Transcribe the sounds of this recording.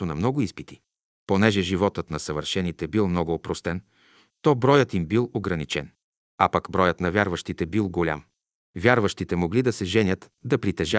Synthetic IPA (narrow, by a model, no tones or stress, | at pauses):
onɐmnɔɡʊispit̪i̥ | ponɛʒɛʒivɔt̪ət̪nɐsɐvəɾʃɛnit̪ɛbilˠmnɔɡʊːpɾost̪ɛn | t̪ɔbɾɔjət̪imbilˠoɡɾɐnit͡ʃɛn | apɐkbɾɔjət̪nɐvʲjaɾvɐʃt̪it̪ɛbilˠɡolʲa̰m | vʲjaɾvɐʃt̪it̪ɛmoɡlid̪ɐsɛʒɛnʲjət̪ | d̪ɐpɾit̪ɛʒa